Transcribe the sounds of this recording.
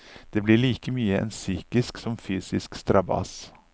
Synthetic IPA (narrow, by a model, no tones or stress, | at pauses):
d̪̥eːblɪɭiːkəmyːəɛ̰nsyːkɪsksɔmfyːsɪskst̪ɾɑbɑ̰s